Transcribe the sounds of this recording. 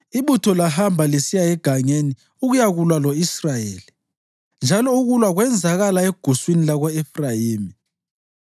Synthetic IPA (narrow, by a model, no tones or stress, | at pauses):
iβutʰɔlaɦambʱalesijajɛɡ̥ʱaŋeni | uɣujaɣulwalɔisrajḛːli | nd͡ʒʱalɔuɣulwaɣwɛnd͡zʱaɣalaɛɡ̥ʱuswinilaɣɔɛfrajiːmi